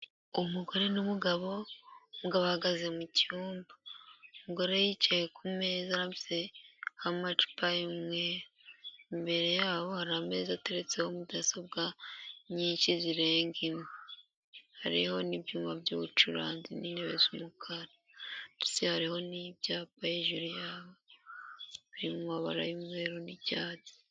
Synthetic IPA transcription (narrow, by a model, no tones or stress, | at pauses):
umuɡo̞ɾe̞numuɡaβo̞muɡaβohaɡazemucuːmbaumuɡo̞ɾe̞jicejekʰume̞ːzaɾaizehamat͡ʃu̥paimŋe | mbe̞ɾe̞jaːβo̞haɾame̞ːzate̞ɾe̞t͡se̞ho̞mudasab̚ɡaɲiːɲʃiziɾe̞ːŋɡime | haɾiho̞nibjuːmabjuβut͡ʃuɾaːnzinineβḛzumukʰaɾa | tu̥sehaɾiho̞nibjaːp̚ajeʒuɾijaːβo | βiɾimuaβa̰ɾajimŋe̞ːɾonicaːti̥